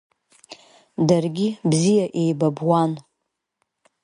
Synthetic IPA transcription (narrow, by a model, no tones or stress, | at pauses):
darɡʲibzijaʔe̞jbabwan